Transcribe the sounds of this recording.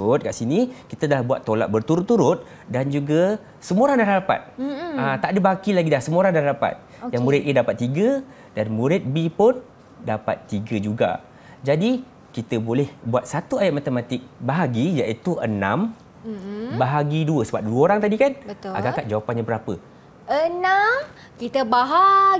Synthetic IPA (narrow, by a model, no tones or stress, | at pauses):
t̪̚kaʔsinikit̪əd̪əlahbuat̪ːola̰ʔ̪̚bərt̪uɾʊt̪ːuɾʊt̪̚ | dand͡ʒuɡə | səmuoɾaŋdanaɾapa̰t̪̚at̪aʔdəbaɦakilaɡidlahsəmoɾaŋdanaapa̰t̪̚ | jaŋmũɾɪt̪̚ʔedapat̪ːiɡə | danmũɾɪt̪̚bipʊn | dapa̰t̪ːiɡəd͡ʒuɡa̰ | d͡ʒadi | kit̪əbolɛhbuat̪̚sat̪uajat̪̚mat̪əmat̪ɪk̚baɦaɡijaʔit̪uʔənãm | baɦaɡiduəsəbap̚duəoɾaŋt̪adikanəʔa̰ɡakat̪̚d͡ʒawapanɲabəɾapə | ənam | kit̪əbaɦa